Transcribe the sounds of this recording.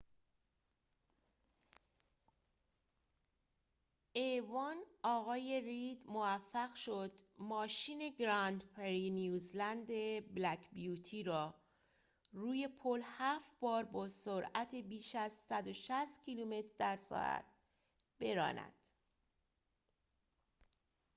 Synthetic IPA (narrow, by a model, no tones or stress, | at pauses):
evɒːnɒːɣɒːje̞rid̪movæfːæɣʃo̞d̪mɒːʃiːne̞ɡɾɒnd̪pʰeɾinjuːzlænd̪e̞blækʰbijuːt̪ʰiːɾɒː | ruːje̞pʰolhæːfbɒːɾbɒːsoɾæt̪ʰe̞biːʃæzsæd̪o̞ʃæst̪̚cʰiːlume̞t̪ʰɾd̪æɾsɒ̰ːʔæ̰t̪̚ | b̥e̞ɾɒ̰ːnæ̰d̪̥